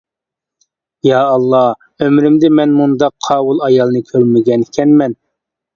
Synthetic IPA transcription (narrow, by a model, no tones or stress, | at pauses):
jɑːlˠːɑ | ømɾɪmd̪ɪmɛnmund̪ɑqʰːɑːwulˠɑjɑlˠnɨkʲʰøɾmɪɡʲɛnkʲʰɛnmɛn